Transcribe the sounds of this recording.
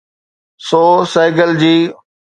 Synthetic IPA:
soːsaːɪɡəld͡ʑiː

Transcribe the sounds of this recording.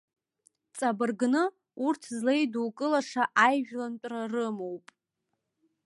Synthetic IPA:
t͡sʼabɨrɡnɨ | urtʰzlejduːkʼɨlaʂaʔajʒᶣlantʷʼrarɨmowpʼ

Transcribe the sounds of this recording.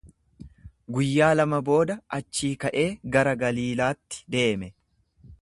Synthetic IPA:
ɡʊjːaːlɐmɐbo̞ːd̪ɐɐt͡ʃːiːkɐʔe̞ːɡɐɾɐɡɐliːlaːt̪ːɪ̥d̪e̞ːmɛ

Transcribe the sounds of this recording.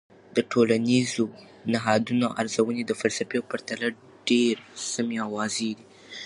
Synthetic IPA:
d̪̥əʈʰolanizo | naɦɑd̪unoʔaɾzawəned̪əfalsafeawpaɾt̪ala | ɖeɾsameawɑzed̪i

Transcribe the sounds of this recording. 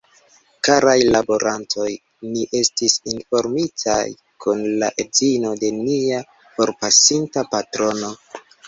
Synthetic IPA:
kaɾajlabo̞ɾʔantʰo̞j | niʔe̞stisinfo̞ɾmitʰa̰j | kʰunlaʔezino̞de̞nia | fo̞ɾpasintapatɾo̞no̞

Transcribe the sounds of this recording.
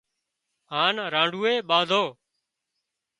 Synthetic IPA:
ɦaːnɾãːɳɖʱuːeːɓãːnd̪ʱoː

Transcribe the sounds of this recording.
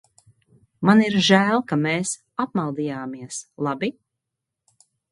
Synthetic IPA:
maniɾʒæːlˠkameːs | apmalˠd̪ijaːmiɛslˠabi

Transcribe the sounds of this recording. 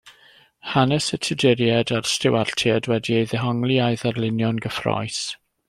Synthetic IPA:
hanɛsətʰədɪɾjɛdarstɪwartʰiɛdwɛdieðɛɦɔŋliajðarlɪnjɔnɡəfrɔ̰js

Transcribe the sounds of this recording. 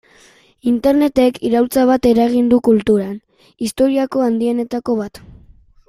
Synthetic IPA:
int̪e̞ɾne̞t̪e̞kʰiɾawlt͡saβ̞at̪e̞ɾaɣ̞ind̪ukult̪uɾan | ist̪o̞ɾiako̞and̪ie̞ne̞t̪ako̞β̞at̪

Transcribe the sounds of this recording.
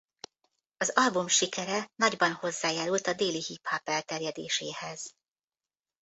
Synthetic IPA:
ɒzɒlbumʃikɛɾɛnɒɟbɒnho̞zːaːjaːɾult̪ɒd̪eːlihiphɒpɛlt̪ɛrjɛd̪eːʃeːhɛz̥

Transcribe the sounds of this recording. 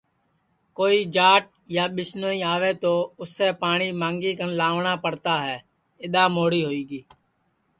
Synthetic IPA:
koːiːd͡ʒaːʈ̚jaːɓɪsnoːiːaːʋeːt̪oːʊsːeːpaːɳ̃iːmãːŋɡiːkənlaːʋɳaːpəɽt̪aːɦɛː | ɪɗ̪aːmoːɽiːɦoːiːɡiː

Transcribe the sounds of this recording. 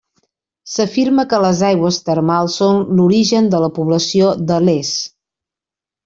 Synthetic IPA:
səfiɾməkələzajɣwəst̪əɾmalˠsːonluɾiʒənd̪ələpuβləsiod̪əles

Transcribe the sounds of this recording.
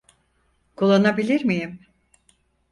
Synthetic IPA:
kʰulˠːanabilʲiɾmijim

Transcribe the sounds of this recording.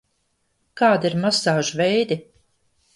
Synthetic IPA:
kaːd̪iɾmasaːʒuvɛjd̪i

